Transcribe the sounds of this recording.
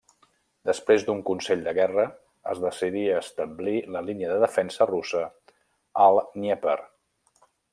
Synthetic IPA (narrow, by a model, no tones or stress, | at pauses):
d̪əspɾezd̪uŋkunsɛʎd̪əɣɛrə | ə̰zðəsiðiəːst̪əmbliləliniəðəðəfɛnsərusə | əlˠnɛpəɾ